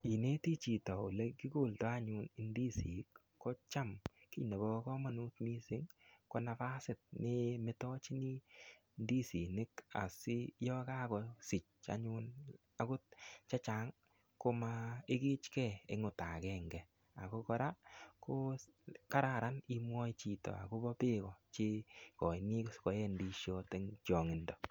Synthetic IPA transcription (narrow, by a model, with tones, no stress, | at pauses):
i˨ne˦ti˦t͡ʃi˨tɔ˨u˨le˦ki˦ko˦˨ltɔ˦a˦ɲu˧ni˨ndi˦si˨˦kː | ɔ˦t͡ʃa˦mki˦ne˨bɔ˦kɔ˦ma˨nu˦tmi˦sɪ˦ŋko˨na˨fa˦sɪ˨t̚nɪ˦mɪ˦tɔ˦t͡ʃi˦ni˦ | ndi˦si˨nɪ˦ka̰˨sɪ˦jɔ˦ka˦kɔ˨sɪ˨t͡ʃa̰˦ɲun | a˨ko˦t̚t͡ʃa˦t͡ʃa˦ŋ | ko˦maɪ˦ki˦t͡ʃkɛ˦˨e˨˦ŋʊ˨ta˨kɛ˦ŋɡɛ˨ | a˨ko˦kɔ˦ɾa˦ko˦ | ka˦ɾa˨ɾa˦ni˦mwɔ˦t͡ʃi˨tɔ̰˨a̰˨ko˦bɔ˦pɪ˦kɔ˨t͡ʃe˦kɔ˨jni˦skɔ˨jɛ˦ndi˧ʃjo˦te˦ŋt͡ʃɔ˨ŋɪ˨ndɔ˨